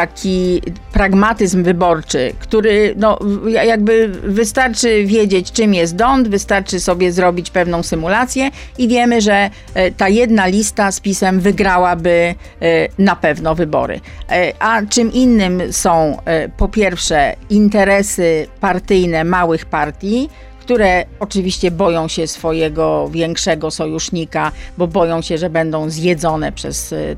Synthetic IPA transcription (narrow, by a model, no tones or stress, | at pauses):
t̪akʲipɾaɡmat̪ɘzmvɘbɔɾt͡ʂɘ̰kt̪uɾɘnɔjajaɡ̚bɘvɘst̪aɾt͡ʂɘvʲjed͡ʑet͡ɕt͡ʂɘmjɛst̪̚d̪ɔnd̪vɘst̪aɾt͡ʂɘsɔbʲjɛzɾɔbʲit͡ɕpɛvnɔ̃w̃sɘmulat̪sʲjɛ | ivʲjɛmɘʐɛ | t̪ajɛd̪nalʲist̪aspʲisɛmvɘɡɾawabɘ | napɛvnɔvɘbɔ̰ɾɘ̰ʔat͡ʂɘmʔinːɘmsɔ̃w̃pɔpʲjɛɾfʂɛint̪ɛɾɛsɘpaɾt̪ɘjnɛmawɘxpaɾt̪ʲji | kt̪uɾɛɔt͡ʂɘvʲiɕt͡ɕɛbɔjɔ̃w̃ɕɛsfɔjɛɡɔvʲjɛŋkʂɛɡɔsɔjuʂɲikabɔbɔjɔ̃w̃ɕɛʐɛbɛnd̪ɔ̃w̃zjɛd̪zɔnɛ̰pʂɛ̰s